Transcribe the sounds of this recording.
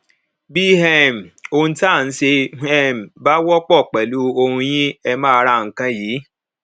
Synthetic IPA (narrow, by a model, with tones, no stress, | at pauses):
bi˦ɦɛ˦˨m̩˨õ˧ta˦˨n̩˦ʃe˧ɛ˦˨m̩˨ba˦wɔ˦k͡pɔ˦˨k͡pɛ˨lu˦o˧hũ˧j̃ĩ˦ɛ˧mãː˦˧ɾa˧˨ŋ̩˨kã˦jiː˨˦